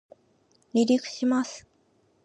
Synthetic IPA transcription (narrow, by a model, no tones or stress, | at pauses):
nʲiɾʲikɯ̟̥ɕimasɨ̥